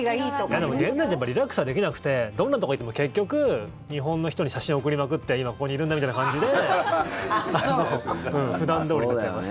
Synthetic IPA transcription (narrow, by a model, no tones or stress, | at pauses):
ɡijad̪e̞moɡẽnzãit̪ejapːaɾʲiɾakɯ̥sɨβad̪e̞kʲinakɯ̟̥t̪e̞d̪õ̞nːat̪ooit̪ːemoke̞kʲːo̞kɯ̟ | ɲ̟iɦõ̞nːo̞çi̥t̪o̞ɲ̟iɕaɕĩook̬ɯ̟ɾʲimakɯ̟t̪ːe̞imako̞ko̞ɲiːɾɯ̟nd̪amʲit̪ainakãɲ̟d͡ʑid̪e̞ | anoɯ̟̃ːɸɯ̟d̪ãnd̪o̞ːɾiat͡ɕaimas